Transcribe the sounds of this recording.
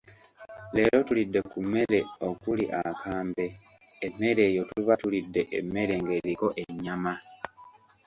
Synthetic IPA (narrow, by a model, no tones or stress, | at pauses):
le̞ːlo̞tulidːe̞kume̞le̞okuliʔa̰kaːmbe̞ː | mːe̞ɾe̞ːjo̞tuiβatulidːe̞ʔḛmːe̞ɾe̞ŋɡe̞ːβiko̞ʔeɲːama